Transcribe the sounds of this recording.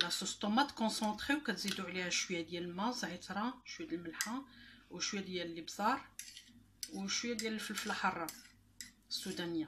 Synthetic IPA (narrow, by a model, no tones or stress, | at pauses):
læsost̪omæt̪kɔ̃sɑ̃t̪χewkæt̪zid̪uʕlihæʃwjːæd̪jællmɑzʕit̪ɾˤɑʃwjæd̪əlməlħawʃwjæd̪jællːibz̥ˤɑɾˤ | wʃwjːæd̪jæləlfəlflaħɑrˤːɑ | sːud̪ænəja